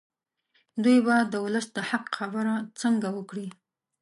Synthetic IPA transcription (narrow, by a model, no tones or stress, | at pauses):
d̪ujbad̪əwʊləsd̪əhaqxabəɾat͡səŋɡawəkɽi